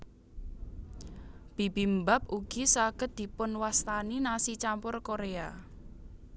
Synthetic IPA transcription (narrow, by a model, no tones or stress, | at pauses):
b̥i̤bimbap̚uɡ̥isaɡ̥ət̪̚d̪̥i̤pʊnwast̪aninasit͡ʃampʊrkoɾea